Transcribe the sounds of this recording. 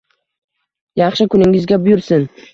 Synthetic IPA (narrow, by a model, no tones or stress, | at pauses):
jɑχʃɪkʰʊnɪŋɪzɡʲabʊjʊɾsɪn